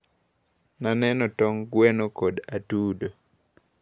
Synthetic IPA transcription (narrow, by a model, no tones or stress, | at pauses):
nanɛnɔtɔŋɡwɛnokodatuːdo